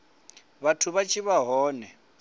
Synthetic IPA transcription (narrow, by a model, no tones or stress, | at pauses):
βatʰuβat͡ʃʰʼiβaɦɔːnɛ